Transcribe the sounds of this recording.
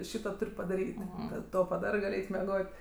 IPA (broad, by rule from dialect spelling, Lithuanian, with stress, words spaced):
ˈʃʲiːtoː ˈtʊrʲ pɐdɐˈrʲiːtʲ ˈkɐt ˈtoː pɐˈdɑːrɜ ˈɡɐlˠ ˈɛɪt mʲɛˈɡoːtʲ